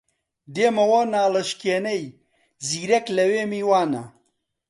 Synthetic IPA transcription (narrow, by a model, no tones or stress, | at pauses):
d̪eːmɐwɐnaːlɐʃkeːnɐj | ziːɾɐklɐweːmiːwaːnɐ̰